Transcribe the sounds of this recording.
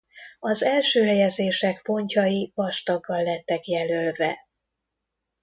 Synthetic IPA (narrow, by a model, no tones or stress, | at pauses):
ɒzɛlʃøːɦɛjɛzeːʃɛkpo̞ɲcɒjivɒʃt̪ɒɡːɒlːɛt̪ːɛkjɛlølvɛ